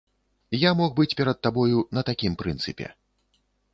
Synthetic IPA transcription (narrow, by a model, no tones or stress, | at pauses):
jamɔxbɨt͡sʲpʲɛɾɐt̪ːabɔjunɐt̪akʲimpɾɨnt̪sɨpʲɛ̰